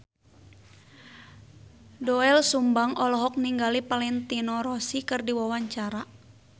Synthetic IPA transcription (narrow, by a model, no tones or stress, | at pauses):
dɔɛlsumbaŋɔlɔɦɔk̚niŋɡalipalɛnt̪inɔɾɔsikɨrdiwawaɲt͡ʃaɾa